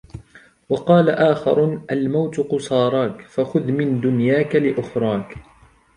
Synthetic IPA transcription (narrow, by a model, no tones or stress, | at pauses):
wɑqɑːlaʔaːxɑ̰ɾˤʔalmawt̪ʊqʊsˤɑːɾˤɑːkfaxʊðmɪnd̪ʊnjaːkalɪʔʊxɾˤɑːk